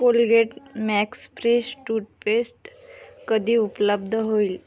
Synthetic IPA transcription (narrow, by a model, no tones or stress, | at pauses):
kolɡeʈmɛksfɾesʈuʈpesʈkəd̪ʱiːupləb̚d̪ʱəɦoil